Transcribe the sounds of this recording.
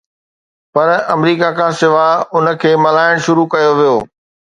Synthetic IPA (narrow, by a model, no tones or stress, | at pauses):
pɐɾɐmɾiːkakʰãːsɪʋaʊnə̆kʰeːmɐlaːɪɽ̃ʃʊɾukɐjoʋijoː